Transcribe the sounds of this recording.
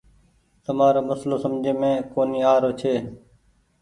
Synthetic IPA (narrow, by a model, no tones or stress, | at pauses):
t̪əmaːɾoːməsloːsəmd͡ʒʱẽːmẽːkoːniːaːɾoːt͡ʃʰeː